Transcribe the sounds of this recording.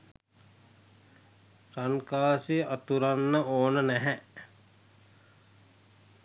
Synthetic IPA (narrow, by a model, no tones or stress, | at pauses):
ɾankaːsiʔat̪uɾanːəoːnənæɦɛʔ